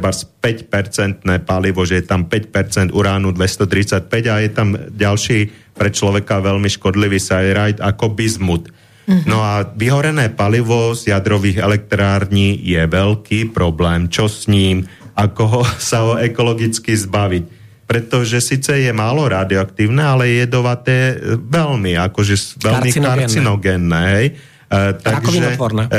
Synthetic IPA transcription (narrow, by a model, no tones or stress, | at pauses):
baspɛcpɛɾt͡sɛnt̪nɛːpaliʋɔʒɛjɛt̪ampɛc̚pɛɾt͡sɛnd̪uɾaːnud̪ʋɛst̪ɔt̪ɾit͡sac̚pɛɟajɛt̪amɟalʃiː | pɾɛt͡ʃlɔʋɛkaʋɛlmiʃkɔd̪liʋiːsajɾajd̪akɔbizmut̪ | nɔaʋiɦɔɾɛnɛːpaliʋɔzjad̪ɾɔʋiːɣɛlɛk̚t̪ɾaːɾɲiːjɛʋɛlkiːpɾɔblɛːmt͡ʃɔsɲiːmakɔsaɦɔɛkɔlɔɡit͡skizbaʋic̚ | pɾɛt̪ɔʒɛsiːt͡sɛjɛmaːlɔɾaːd̪iɔak̚t̪iːʊnɛːalɛjɛjɛd̪ɔʋat̪ɛʋɛlmiakɔʒɛsʋɛlmikaɾt͡sinɔɡɛnːɛːɦɛj | t̪aɡiʒɛʋɔɾnɛ